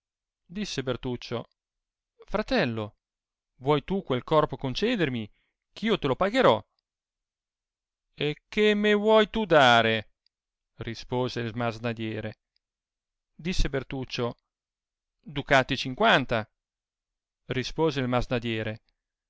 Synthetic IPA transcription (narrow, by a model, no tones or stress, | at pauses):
d̪isːebert̪ut͡ʃːo̰ | fɾat̪ɛlːo | vwɔjt̪ukwelkɔrpokont͡ʃɛːd̪ermi | kʰiːot̪elopaɡeɾɔ | ekːemːevwɔjt̪ud̪aːɾe | rispoːzelmaznad̪jɛːɾe | d̪isːebert̪ut͡ʃːo | d̪ukat̪ːit͡ʃiŋkwant̪a | rispoːzeilmaznad̪jɛːɾe